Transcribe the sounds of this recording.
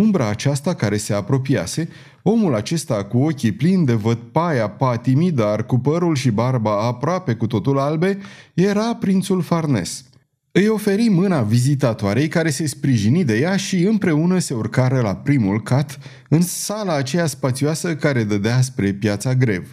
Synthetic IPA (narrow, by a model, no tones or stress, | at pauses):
umbɾaːt͡ʃast̪akaɾe̞se̞apɾo̞p̬ia̰se̞ | o̞mulat͡ʃe̞st̪akuo̞kʲiplind̪e̞vəd̪̚pajapat̪imid̪arkupəɾulʃibarbaːpɾoape̞kut̪o̞t̪ulalbe̞je̞ɾapɾint̪sulfarne̞̰s | ɨjo̞fe̞ɾimɨnavizit̪at̪oaɾe̞jkaɾe̞se̞spɾiʒinid̪e̞jaʃiɨmpɾe̞unəse̞urkaɾəlapɾimulkat̪ | ɨnsalaːt͡ʃejaspat̪sioasəkaɾe̞d̪əd̪easpɾe̞pjat̪saɡɾe̞̰v